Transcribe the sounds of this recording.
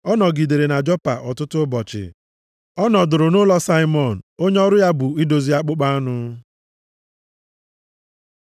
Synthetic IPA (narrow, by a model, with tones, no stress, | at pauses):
ɔ˦nɔ˨ɡi˨de˨ɾe˨na˨d͡ʒɔ˦pa̰˨ʔɔ˨tʊ˦tʊ˦bɔ˨t͡ʃɪ̰˨ | ɔ˦nɔ˨dʊ˨ɾʊ˨nʊ˦lɔ˦sa˦ɪ˦mɔ˨n̩˨o˦ɲe˦ɔ˦ɾʊ˦ja˦bʊ˨i˦do˨zi˦a˦k͡pʊ˦k͡pa˦nʊ˦